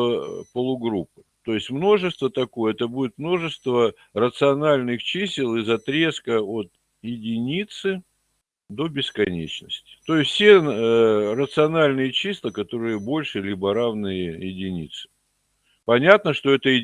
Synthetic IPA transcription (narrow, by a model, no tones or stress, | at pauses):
pəlˠʊɡɾupːɨ̥t̪o̞jɪsʲtʲmno̞ʐɨst̪vət̪ɐko̞jəɛt̪əbudʲɪt̪mno̞ʐɨst̪və | rət̪sɨɐnalʲnɨxt͡ɕisʲɪlˠɨzɐt̪ɾʲe̞skəot̪ | jɪdʲɪnʲit̪sɨ | d̪o̞bʲɪskɐnʲḛt͡ɕnə̰sʲtʲɪ̥t̪o̞jɪsʲsʲe | rət̪sɨɐnalʲnɨjət͡ɕisʲlˠəkɐt̪o̞ɾɨjəbo̞lʲʂɨlʲibəɾavnɨjəjɪdʲɪnʲḭt̪sɨ̥ | pɐnʲat̪nəʂt̪o̞ɛt̪əjɪ